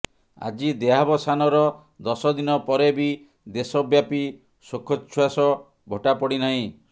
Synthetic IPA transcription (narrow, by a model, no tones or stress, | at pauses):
a̰d͡ʒid̪eɦabɔsanɔɾɔ | d̪ɔsɔd̪inɔpɔɾebi | d̪esɔbjapi | sokʰːɔt͡ʃʰwasɔ | bʱoʈapɔɽinaɦĩ